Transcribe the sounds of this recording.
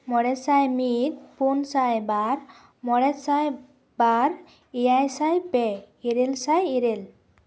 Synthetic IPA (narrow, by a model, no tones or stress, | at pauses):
mɔɾɛsajmit̪̚punsajbaɾ | mɔɾɛsaj | baɾ | ijajsajpɛ | iɾelsajiɾel